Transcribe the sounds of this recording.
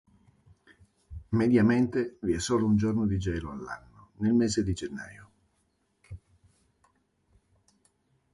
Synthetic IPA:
med̪jament̪eviɛsːoːlound͡ʒornod̪id͡ʒɛːloalːa̰nːonelmeːzed̪id͡ʒenːa̰ːjo

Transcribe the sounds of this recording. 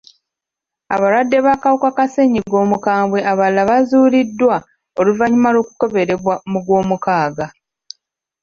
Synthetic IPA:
aβaɾwadːe̞βakawukakase̞ɲiɡo̞ːmukaːmbwe̞ʔaβalːaβazuːlidːwa | o̞luvaɲimalo̞ːku̥ko̞βe̞ɾeβwamuɡwo̞ːmukaːɡa

